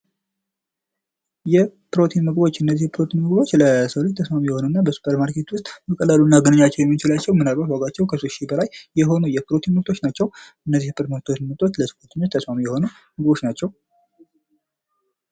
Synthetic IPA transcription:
jɛpɾo̞t̪ʰinmɨɡbo̞t͡ʃːɨnːəzːihpʰɾo̞t̪ʰinmɨɡbo̞t͡ʃːləsəwlut͡ʃt̪ʰːəsmamujɛho̞nunːabəsu̥pʰəɾmaɾkʰet̪wʊst̪ʼməkʼəlːaluɨnːaɡənəɲːat͡ʃːɛwjɛmːit͡ʃɪlat͡ʃːɛwmɨnalbat̪waɡʼat͡ʃːɛwkʰəsoʃibəlajːɛɦo̞nujɛpʰɨɾo̞t̪ʰinməkt̪ʰo̞t͡ʃnat͡ʃːɛwʔɨnːəzːihpʰʼəɾt̪məkt̪ʰo̞t͡ʃmɨɡt̪ʼo̞t͡ʃːləsəkot̪ʰɨɲːʊst̪ʰəsmamujɛho̞nu | mɨɡbo̞t͡ʃnat͡ʃːɛw

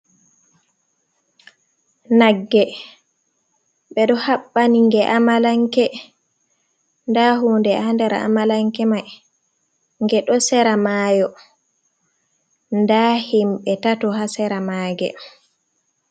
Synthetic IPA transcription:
naɡːɛ | ɓɛɗɔhaɓːaniŋɡɛʔamalaŋkɛ | ndaɦundɛaandɛɾa̰a̰malaŋkɛmaj | ŋɡɛɗɔsɛɾamaːjɔ | ndahimɓɛtatɔɦasɛɾamaɡɛ̰

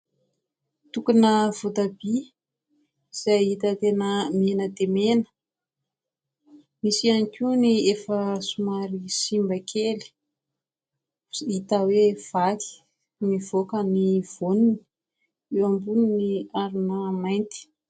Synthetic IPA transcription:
t̪ukunəv̥ot̪abi | z̥ait̪ət̪enəmenəd̪emenə̥ | misianikʲuniefəsumaɾisimbakʰeli̥ | it̪awev̥akʰi̥ | nivokəniv̥onuni̥ | ewambuniniaɾinəmajnt̪i̥

